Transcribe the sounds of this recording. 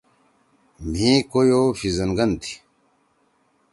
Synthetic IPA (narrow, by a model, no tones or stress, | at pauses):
m̤ĩkojofizɐnɡɐnt̪ʰi̥